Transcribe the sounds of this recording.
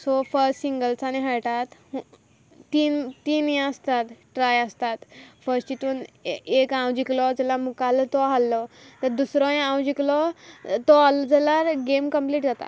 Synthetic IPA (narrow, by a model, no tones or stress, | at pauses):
sofəɾʈsiŋɡəlt͡sañiɦaɾʈat̪ | int̪iːnĩəst̪at̪ʈɾajəst̪at̪fəɾsʈt͡ɕit̪unekãwd͡ʑiklɔd͡zɛlamukalt̪ɔɦalːɔt̪əɾd̪usɾɔ̃ãwd͡ʑiklɔt̪ɔɦalɔd͡zelaɾɡemkəmpliːʈd͡zat̪a̰